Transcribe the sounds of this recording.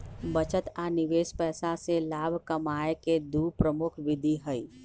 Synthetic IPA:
bət͡ʃət̪anɪʋeːspɛːsaselaːbʱkəmaːeked̪uːpɾəmʊkʰʋɪd̪ʱiɦəi

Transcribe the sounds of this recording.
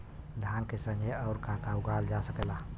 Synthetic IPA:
d̪ʱankesə̃ŋɡʱeəʊɾkãkauɡald͡ʒasəkɛla

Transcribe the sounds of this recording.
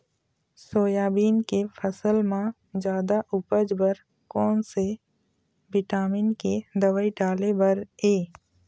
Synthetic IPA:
soːjaːbiːnkepʰəsəlmã | d͡ʒjaːd̪aʔʊpəd͡ʒbəɾ | kɔːnse | bɪʈaːminked̪əʋaːiɖaːlebəɾeː

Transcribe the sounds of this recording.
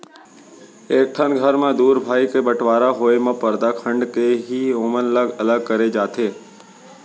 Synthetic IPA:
eːk̚ʈʰənɡʱəɾmẽd̪uːɾbʱaːikebəʈʋaːɾaɦoemə̃pːəɾd̪akʰə̃ɳɖkeɦioːmənələɡɐləɡ̚kəɾed͡ʒaːt̪eː

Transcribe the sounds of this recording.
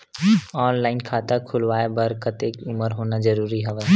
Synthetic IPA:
ɔːnlaːɪnkʰaːt̪akʰʊlʋaːebɐɾkət̪eːkʊməɾɦoːnad͡ʒɐɾuːɾiɦɛʋə

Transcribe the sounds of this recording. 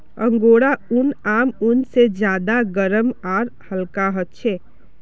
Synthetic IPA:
ə̃ŋɡoɽaʊnaːmʊnsed͡ʒjaːd̪aɡəɾəmaːɾhəlkaɦət̪̚t͡ʃʰe

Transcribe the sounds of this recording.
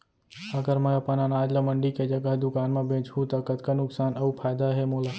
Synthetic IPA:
əɡəɾmə̃əpənanaːd͡ʒləməɳɖiked͡ʒəɡəɦd̪ʊkaːnmẽbʱẽːt͡ʃɦũt̪ɐkət̪kanʊksaːnɐupʰaːjd̪aɦemoːlaː

